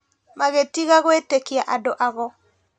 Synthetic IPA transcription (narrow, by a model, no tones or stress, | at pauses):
maɣetiɣaɣoetekiaʔadoʔaɣɔ